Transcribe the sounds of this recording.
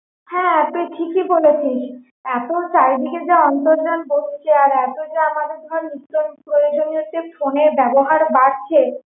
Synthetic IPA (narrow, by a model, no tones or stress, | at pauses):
hɛ̃ɛt̪oʈʰikibolet͡ɕʰiʃ | ɛt̪osaɾd̪ʱiked͡ʑaɔnt̪oɾd͡ʑanboʃt͡ɕʰeaɾɛt̪od͡ʑaamanuɾbʱaɾnut̪onpɾojod͡ʑoniɦot͡ɕʰːefʰoneɾbɛboɦaɾbaɾt͡ɕʰe